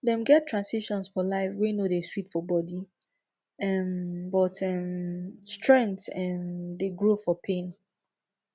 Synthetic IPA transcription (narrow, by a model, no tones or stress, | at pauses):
ðɛ̃mɡɛtʰɹãnsiʃɔ̃nsfɔlaɪfwenodeswitfɔbɔdi | ɛmbɔtʰɛmstɹɛ̃ntɛmdeɡɹofɔpʰẽn